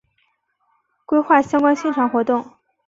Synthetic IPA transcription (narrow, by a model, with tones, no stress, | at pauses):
kwe˥ɪxwa˥˩ɕjɑ˥ŋkwa˥nɕjɛ˥˩nʈ͡ʂʰɑ˧˥ŋxwɔ˧˥t̪ʊ˥˩ŋ